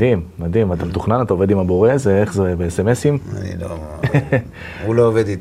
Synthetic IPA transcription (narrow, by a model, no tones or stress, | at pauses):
immad̪imat̪amt̪uχnanat̪ao̞ved̪imabo̞ʁe̞zeeχzebeeseme̞simanḭlo̰ | ulooved̪i